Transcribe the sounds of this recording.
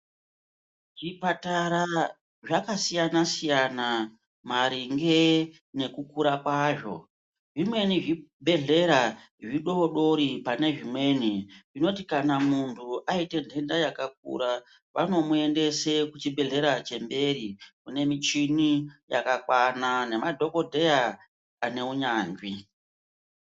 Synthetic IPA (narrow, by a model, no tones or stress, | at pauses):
ʐipataɾa | ʐakasijanasijana | maɾiŋɡe | ne̞kukuɾakwaʐo̞̰ | ʐimwe̞niʐibʱe̞ɮe̞ɾa | ʐiɗo̞ɗo̞ɾipane̞ʐimwe̞niʐino̞tikanamuntʰuʔaite̞ndʱe̞ndajakak̚ṵɾa | ʋano̞mue̞nde̞sekut͡ʃibʱe̞ɮe̞ɾat͡ʃe̞mbe̞ɾikune̞mit͡ʃinija̰kakwanane̞madʱo̞kodʱe̞ja | ane̞uɲaːnd͡ʒwi